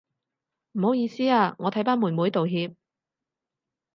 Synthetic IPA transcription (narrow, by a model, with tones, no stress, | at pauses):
m̩˨˩ho˨˥wjiː˨˧siː˥aː˧ŋɔː˨˧t̪ʰɐ˨˥jpaː˥muː˨˩nmuː˨˥jt̪o˨wɦiː˧p̚